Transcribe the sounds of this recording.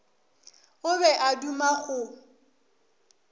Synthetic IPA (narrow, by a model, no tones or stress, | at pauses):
ʊβɛʔadumaɣʊ